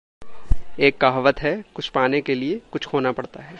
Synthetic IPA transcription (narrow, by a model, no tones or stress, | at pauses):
eːkːaːɦʋət̪ɦɛkʊt͡ʃʰpaːnekeliekʊt͡ʃʰkʰoːnapɐɽt̪aɦɛː